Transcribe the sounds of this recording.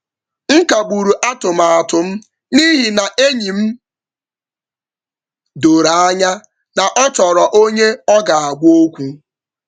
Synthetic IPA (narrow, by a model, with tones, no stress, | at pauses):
ŋ̩˦ka˨ɡ͡bu˨ɾu˨ʔa˦tʊ˨m̩a˨a˨tʊ˨m̩˦ | ni˦ɦi˨na˨ʔe˦ɲi˨m̩˦ | do˨ɾa˨a˦ɲa˦ | na˨ʔɔ˦t͡ʃɔ˨ɾɔ˨ʔo˦ɲe˦ɔ˦ɡa˨a˨ɡ͡bʷo˦kʷu˦